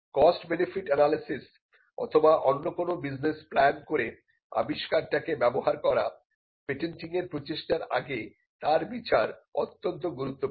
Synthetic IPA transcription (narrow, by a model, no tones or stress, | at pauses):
kɔsʈbenefiʈɛnalisis | ɔ̰t̪ʰobaʔonːokonobid͡ʑnesplɛnkoɾe | a̰biʃkaɾʈakebɛboɦaɾkɔɾa̰ | peʈenʈiŋeɾpɾot͡ɕeʃʈaɾa̰ɡe | t̪aɾbit͡ɕaɾot̪ːont̪̬oɡuɾut̪ːo